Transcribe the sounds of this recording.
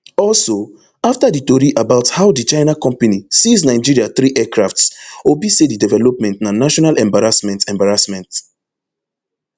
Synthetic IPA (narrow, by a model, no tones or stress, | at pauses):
ɔlso | aftaditɔɾiʔabaʊthaʊdit͡ʃãɪnakɔ̃mpanisisnaɪd͡ʒiɹiaθɹiʔɛkɹaftswibisedidɛvɛlɔpmɛ̃ntnanaʃɔnalɛ̃mbaɹasmɛ̃ntɛ̃mbaɹasmɛ̃nt